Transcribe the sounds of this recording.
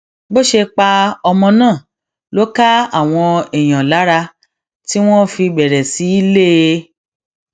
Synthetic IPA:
bo˦ʃe˧k͡pa˧ɔ˧mɔ̃˧nãː˦˨ | lo˦ka˦a˦˨w̃ɔ̃˧ɛ˨j̃ã˨la˨˦ɾa˧ | ti˦w̃ɔ̃˦fi˧bɛ˨ɾɛ˨si˨˦i˦le˦˧˦

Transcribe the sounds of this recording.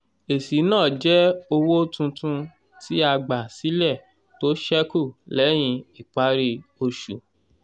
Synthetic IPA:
e˨si˨˦nãː˦˨d͡ʒɛ˦o˧wo˦tũ˧tũ˧ | ti˦a˧ɡ͡ba˨si˨˦lɛ˦˨ | to˦ʃɛ˦ku˦˨lɛ˨˦j̃ĩ˧i˨k͡pa˨˦ɾi˧o˧ʃṵ˨

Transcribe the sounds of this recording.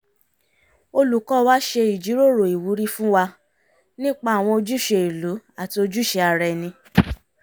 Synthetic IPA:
o˧lu˨kɔ˦˧wa˦ʃe˧i˨d͡ʒi˨˦ɾo˦˨ɾo˨i˨wu˨˦ɾi˦fũ˦wa˧ | nĩ˦k͡pa˦a˦˨w̃ɔ̃˧o˧d͡ʒu˦˨ʃe˧i˨lu˨˦a˦˨ti˧o˧d͡ʒu˦ʃe˧a˧ɾɛ˧nĩ˧

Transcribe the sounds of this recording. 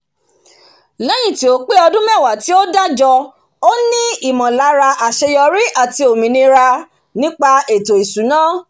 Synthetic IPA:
lɛ˨˦j̃ĩ˦˨ti˨o˨˦k͡pe˦ɔ˧dũ˦mɛ̃˦˨wa˨ti˨˦o˦da˦d͡ʒɔ˧ | o˦nĩ˦i˦˨mɔ̃˨la˨˦ɾa˧ʔa˨ʃe˧jɔ˧ɾi˦ʔa˦˨ti˧o˨mĩ˨nĩ˧ɾa˧ | nĩ˦k͡pa˧e˨to˨i˨su˨˦nãː˦˨

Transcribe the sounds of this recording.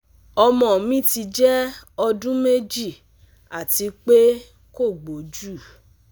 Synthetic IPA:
ɔ˧mɔ̃˨mĩ˦ti˧d͡ʒɛ˦ɔ˧dũ˦me˦d͡ʒi˦˨ | a˨ti˨˧˦k͡pe˦ | ko˦˨ɡ͡bo˨d͡ʒu˦˨

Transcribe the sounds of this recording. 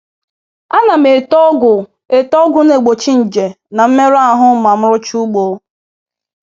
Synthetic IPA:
a˦na˨m̩e˨tɔ˦ɡʊ˨ | e˨tɔ˦ɡʊ˦ne˨ɡ͡bo˨t͡ʃi˦n̩˨d͡ʒe˨ | na˨m̩˦me˦ɾa˦ɦʊ˦ma˨m̩˦ɾʊ˦t͡ʃu˦ɡ͡bo˨˦

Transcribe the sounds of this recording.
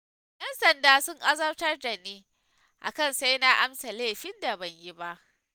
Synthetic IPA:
jɐ˦nsɐ˨ndaː˦sʊ˦ŋʔa˦zɐ˦rtɐ˦rda˨niː˦ | ʔa̰˨kɐ˦˨nsa˦jna˦ʔa˦msa˨leː˦˨ɸɪ˦nda˨bɐ˨ɲji˦ba˦ʔ

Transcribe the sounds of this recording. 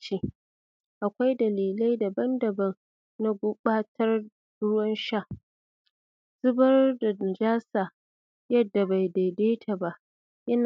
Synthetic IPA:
t͡ʃi˦ | ʔa˨kʷa˦jdɐ˨liː˨la˦jda˨bɐ˦ndɐ˨bɐ˦n | na˦ɡʷʊ˦ɓaː˦tʰɐ˦r | ɽʊ˦wɐ˦nʃa˦˨ʔ | z̥ʊ˦bɐ˦rda˨d͡ʒaː˦saː˨ | jɐ˦dːa˨ba˨jda˨jdeː˦tʰa˨ba˦ʔ | jɐ˦na˨

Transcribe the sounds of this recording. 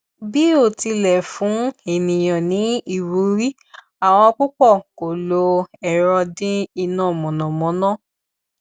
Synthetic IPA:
bi˦o˦˨ti˧lɛ˨fũ˨˦e˨nĩ˨j̃ã˨nĩ˨˦i˦˨ɾu˨˦ɾi˦ | a˨w̃ɔ̃˧ɔ˧k͡pu˦k͡pɔ˦˨ko˨lo˧ɛ˨ɾ̃ɔ˧dĩ˦i˧nã˦˨mɔ̃˨nɔ̃˨mɔ̃˨˦nã˦

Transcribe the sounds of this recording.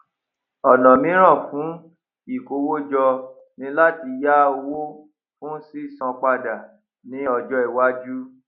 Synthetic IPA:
ɔ˨nɔ̃˨mĩ˨˦ɾ̃ã˦˨fũ˨˦ | i˦˨ko˧wo˦d͡ʒɔ˧ | nĩ˧˦la˦ti˧ja˦wo˦ | fũ˦si˦˨sã˧k͡pa˧da˨ | nĩ˨˦ɔ˧˨d͡ʒɔ˧i˨wa˦d͡ʒu˦

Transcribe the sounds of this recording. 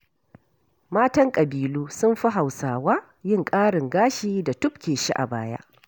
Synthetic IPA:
maː˦tɐ˦ŋkʼɐ˨biː˨luː˦sʊ˦mɸi˦ɦa˨wsaː˨waː˦ | jɪ˦ŋkʼaː˦ɽɪ˨ŋɡaː˦ʃiː˦da˨tʊ˦pkʲeː˨ʃi˦ʔa̰˨baː˦ja̰˦ʔ

